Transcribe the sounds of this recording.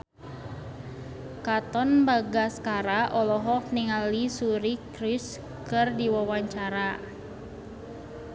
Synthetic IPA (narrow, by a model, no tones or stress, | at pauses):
kat̪ɔnbaɡaskaɾaʔɔlɔɦɔk̚niŋalisuɾikɾɪs | kɨrdiwawaɲt͡ʃaɾa